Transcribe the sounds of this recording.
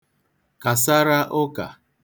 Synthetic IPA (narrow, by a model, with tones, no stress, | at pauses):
ka˨sa˦ɾa˦ʔʊ˦ka̰˨